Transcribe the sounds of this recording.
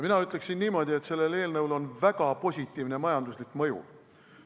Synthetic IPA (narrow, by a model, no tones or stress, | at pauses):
minɑyt̪ˑle̞ksinːiːmo̞d̪ʲiet̪se̞lːe̞le̞ːlnɤwlo̞nvæɡ̥ɑpo̞sʲit̪ːˑiːvnemɑjɑnd̪uslikːmɤjṵ